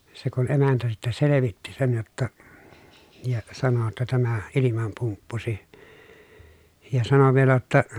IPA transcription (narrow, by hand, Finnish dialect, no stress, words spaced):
se kun emæntæ sitːæ seleʋitːi sen jotːɑ jɑ sɑno tːɑ tæmæ ilimɑm pumpːusi jɑ sɑno ʋielæ jotːɑ